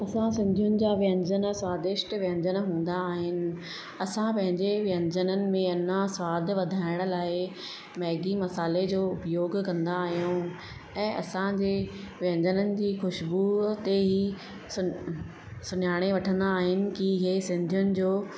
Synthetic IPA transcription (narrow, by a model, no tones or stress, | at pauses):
ɐsãsɪ̃nd̪ʱjʊnɪ̆d͡ʑaːʋjə̃ɲd͡ʑənswaːd̪ɪʃʈʋjə̃ɲd͡ʑənɦũːn̆d̪aːɦɪnɪ̆ | ɐsãpɐ̃ɦɪ̃ɲd͡ʑeʋə̃ɲd͡ʑənənɪ̆mẽɐn̤ãswaːd̪ʱʋɐd̪ʱaːɪɽ̃ʊ̆laːɪ | mɛːɡimɐsaːled͡ʑoːʊpjoːɡkɐ̃nd̪aːɦijũ | ɛ̃ːʔɐ̰sãd͡ʑeːʋjə̃ɲd͡ʑənənɪ̆d͡ʑiːxʊʃbut̪eɦi | sʊ | sʊnaːɽ̃eʋɐʈʰə̃nd̪aːɦɪnɪ̆kiɪɦesɪ̃nd̪ʱjʊnɪ̆d͡ʑoː